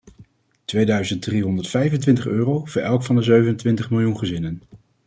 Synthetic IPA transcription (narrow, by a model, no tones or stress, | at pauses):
tʋejdœɥzənt̚driɦɔndəɹtfɛjvəntʋɪntəχøːrowvʊːɹʔɛlˠkfɑndəzøɥvənəntʋɪntəχmɪlˠjunχəzɪnən